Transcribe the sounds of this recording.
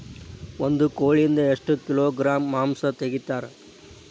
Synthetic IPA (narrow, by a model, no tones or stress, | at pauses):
ond̪ukoːɭiind̪ɐeʂʈukiloːɡɾaːmːaːmsɐt̪eɡit̪ːaːɾe